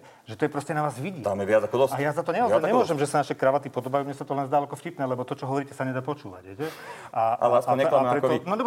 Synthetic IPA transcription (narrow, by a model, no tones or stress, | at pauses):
ʒɛt̪ɔjɛpɾɔscɛnaʋaːzʋiɟiːaːmɛʋɪad͡zakɔd̪ɔsajazat̪ɔɲɛazɛɲɛmmʊɔʒɛmʒɛsanaʃɛkɾaʋat̪ipɔd̪ɔbajuːmɲɛsat̪ɔlɛnzd̪alɛkɔfcipnɛːlɛbɔt̪ɔt͡ʃɔɦɔʋɔɾiːcɛsaɲɛd̪aːpɔt͡ʃuːʋa̰ɟɦɛjcɛʔaʔa̰lasaɲɛaapɾɛt̪ɔnɔd̪ɔb